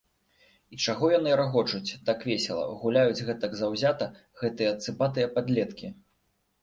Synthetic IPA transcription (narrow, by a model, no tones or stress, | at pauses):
it͡ʂaɣɔjanɨɾaɣɔt͡ʂut͡sʲd̪akvʲɛsʲɛlˠɐ̰ɣulʲajud͡zʲɣɛt̪ɐɡzawzʲat̪ɐ | ɣɛt̪ɨjɐːt̪sɨpat̪ɨjɐpad̪lʲɛt̪kʲi